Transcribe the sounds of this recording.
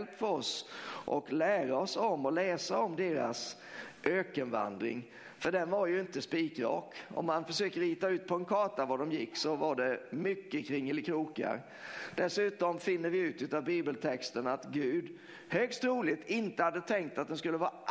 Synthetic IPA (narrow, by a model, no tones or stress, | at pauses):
lpːfœɾɔsʔɔ̰klæːɾaɔsɔmːɔlɛːsaɔmd̪eːɾa̰s | ʔøːkənva̰nd̪ɾɪ̰ŋ | fœɖɛnvaɾjɵɪnt̪əspiːkɾɑ̰ːkɔ̰mːanfœʂøːkəɾiːt̪aʉ̟ːt̪̚pʰɔɛnkʰɑːʈavaɖɔmjɪkːsɔvaɖɛmʏkːəkʰɾɪŋːɪlːɪkʰɾuːka̰ɾ | d̪̥ɛsʉ̟ːt̪ɔmfɪnːəɾvɪʉ̟ːt̪ʉ̟ːt̪avbiːbəlt̪ʰɛkst̪ənat̪ɡʉ̟ːd̪ | høːkst̪ɾuːlɪt̪ɪnt̪əhad̪ːət̪ʰɛŋk̚t̪at̪̚d̪ɛnskɵlːəvɑːʔ